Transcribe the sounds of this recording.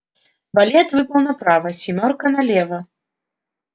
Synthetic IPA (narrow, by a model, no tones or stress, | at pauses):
balʲɛt̪vɨpɐwnɐpɾavɐsʲimʲɔrkɐnɐlʲɛvɐ